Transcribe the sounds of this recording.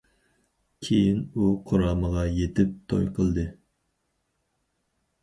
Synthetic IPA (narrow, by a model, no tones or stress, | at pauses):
kʲʰejinuqʰʊɾɑːməʁɑjet̪ʰɪp̚t̪ʰo̰jqʰəlˠd̪ɨ